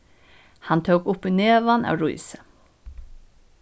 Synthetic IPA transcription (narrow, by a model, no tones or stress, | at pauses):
hɑnt̪ʰəʊkʊpyːneːʋɑnʔɑ̰ːʋɹuɪsə